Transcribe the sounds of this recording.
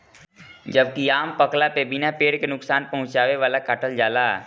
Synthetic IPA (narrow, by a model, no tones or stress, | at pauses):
d͡ʒəb̚kiaːmpəklapebɪnapeːɽkenʊksaːnpɐɦʊ̃t͡ʃaːʋeʋaːlakaːʈəld͡ʒaːlaː